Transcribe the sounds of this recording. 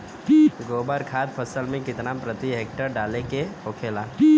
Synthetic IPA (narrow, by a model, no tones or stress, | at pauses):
ɡoːbəɾkʰaːt̪̚pʰəsəlmẽkɪt̪napɾət̪iɦeːk̚ʈəɾɖaːlekeoːkʰeːlaː